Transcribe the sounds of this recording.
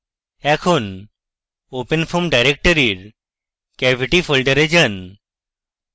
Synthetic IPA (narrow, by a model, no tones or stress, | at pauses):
ɛkʰun | opənfʰomɖajɾek̚ʈəɾiɾ | kɛbʱiʈifʰolɖəɾed͡ʑən